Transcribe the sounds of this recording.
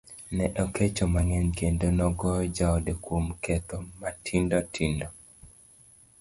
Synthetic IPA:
nɛʔɔkʰet͡ʃomaŋɛnkendonɔɡɔd͡ʒaɔdekwomkʰɛt̪omatʰindɔtʰindɔ

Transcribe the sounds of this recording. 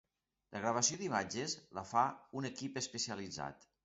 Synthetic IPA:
ləɣɾaβasiod̪imad͡ʒəzləfaunekipəspəsiəlid͡za̰t̪

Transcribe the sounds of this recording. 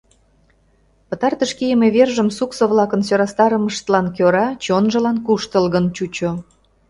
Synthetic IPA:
pə̆t̪ɑrt̪əʃkijəmeβerʒəmsuksoβlɑkənsøɾɑst̪ɑɾəməʃt̪əlɑnkøɾɑt͡ɕonʒə̆lɑnkuʃt̪əlɣənt͡ɕut͡ɕo

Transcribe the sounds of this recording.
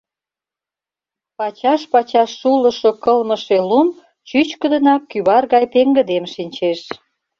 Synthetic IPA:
pɑt͡ɕɑʃpɑt͡ɕɑʃːulə̆ʃŏkəlməʃelum | t͡ɕyt͡ɕkə̆d̪ə̆nɑkːyβɑrɣɑjpeŋɡə̆d̪emʃinʲt͡ɕeʃ

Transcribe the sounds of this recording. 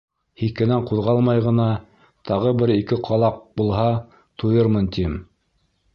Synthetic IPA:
hiθkɘ̆næɴquðʁɑlˠmɑjʁɤ̆nɑ | t̪ʰɑʁɤbɘɾikɘqʰɑlˠɑq̚bulˠɦɑ | t̪ʰujɤɾmɤnt̪im

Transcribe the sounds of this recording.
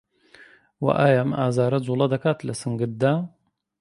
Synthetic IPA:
wɐ̰ʔaːjamaːzaːɾɐd͡zuːlˠɐd̪ɐkaːt̪lɐsɨŋɡɨɾ̚d̪aː

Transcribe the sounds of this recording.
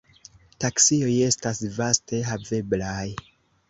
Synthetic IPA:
taksio̞je̞stasvaste̞ɦave̞blaj

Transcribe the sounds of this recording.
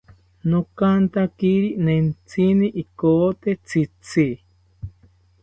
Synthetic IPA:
nokant̪akiɾinent͡sʰiniʔikoːt̪et͡sʰit͡sʰi

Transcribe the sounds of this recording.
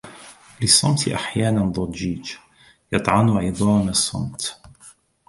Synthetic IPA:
lɪsˤːɑmt̪ʰʔaħjaːnand̪ˤɑd͡ʒiːd͡ʒ | jɑt̪ˤʕɑnʕɪðˤɑːmsˤːɑ̰mt̪

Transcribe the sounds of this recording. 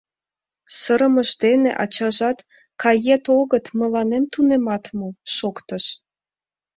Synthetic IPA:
səɾəməʒd̪enḛʔɑ̰t͡ɕɑʒɑt̪ | kɑjet̪oɣət̪mə̆lɑnemt̪unemɑt̪moʃokt̪əʃ

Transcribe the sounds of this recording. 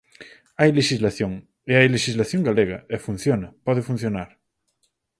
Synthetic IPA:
ajleʃizlaθjõŋ | eajleʃizlaθjõŋɡaleɣa̰efun̟θjonɐpɔð̞efun̟θjonaɾ

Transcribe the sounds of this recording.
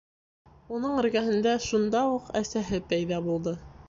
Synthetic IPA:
unɤɴɘ̆ɾɡæɦɘ̆nd̪æʃund̪ɑuqæsæɦɘpæjðɑβulˠd̪ɤ

